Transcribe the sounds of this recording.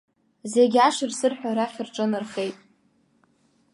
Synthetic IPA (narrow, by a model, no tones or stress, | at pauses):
zeɡʲaʂɨrsɨrħʷᶣaɾaχʲɪrʈ͡ʂʼɨnɨrχe̞jtʼ